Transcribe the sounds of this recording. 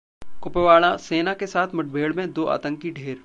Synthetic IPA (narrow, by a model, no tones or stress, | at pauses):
kʊpeʋaːɭaseːnakesaːt̪ʰmɐʈ̚bʱeːɭmẽd̪oːʔa̰ːt̪ə̃ŋkiɖʱeːɾ